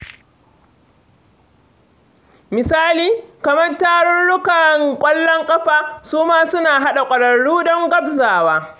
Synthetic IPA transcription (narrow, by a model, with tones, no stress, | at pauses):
mɪ˨saː˦liː˨kɐ˨mɐ˦rtaː˦ɽɔ˦nɽʊ˦kɐ˨ŋkʷʼɐ˦lːɔ˦ŋkʼɐ˦ɸaː˨suː˦maː˦sʊ˦naː˨ɦa˦ɗa˨kʷʼɐ˨ɽɐ˨ɽːuː˦ɗɔ˦ŋɡɐ˦bzaː˨waː˦